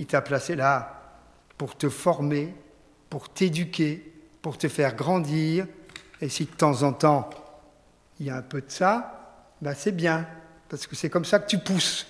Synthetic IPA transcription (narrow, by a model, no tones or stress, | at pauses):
it̪aplasela | puʁt̪əfɔʁme | puʁt̪ed̪ykʲe | puʁt̪əfɛʁɡʁɑ̃d̪iːʁesid̪ət̪ɑ̃zɑ̃t̪ɑ̃ | iljaɛ̃pød̪əsa | basɛbjɛ̃ | paʁsə̥kəsɛkɔmsakə̥t̪ypus